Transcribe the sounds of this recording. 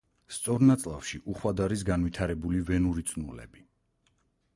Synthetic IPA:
st̪sʼɔɾnat̪sʼlˠafʃiʔuχwad̪aɾis̬ɡanvit̪ʰaɾɛbulivɛnuɾit̪sʼnulɛ̰bi

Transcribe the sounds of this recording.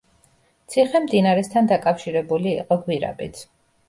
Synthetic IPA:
t̪sʰiχɛmd̪inaɾɛst̪ʰand̪akʼafʃiɾɛbuliːqʼɔhwiɾa̰bʼḭt̪sʰ

